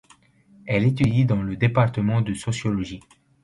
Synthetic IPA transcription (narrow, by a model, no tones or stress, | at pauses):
ɛlet̪yd̪id̪ɑ̃ləd̪epaʁt̪əmɑ̃d̪əsɔsjɔlɔʒi